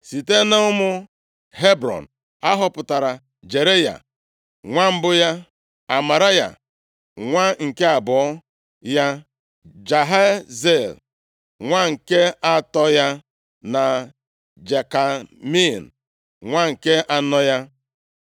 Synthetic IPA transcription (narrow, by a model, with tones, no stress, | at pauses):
si˨te˦na˦ʊ˦mʊ˦ | ɦe˦bɾɔ̰˨n̩˨ | a˦ɦɔ˦pʊ˨ta˨ɾa˨ | d͡ʒe˨ɾe˦ja̰˨ | ŋʷa˦m̩˦bʊ˦ja˦ | a˨ma˨ɾa˦ja̰˨ | ŋʷa˦ŋ̩˨ke˦a˨bɔ˨ɔ˦ | ja˦ | d͡ʒa˨ɦa˦ze˦˨l | ŋʷa˦ŋ̩˨ke˦a˦tɔ˦ja˦ | na˨ | d͡ʒe˨ka˨mi˦˨n̩˨ | ŋʷa˦ŋ̩˨ke˦ʔa˦nɔ˦ja˦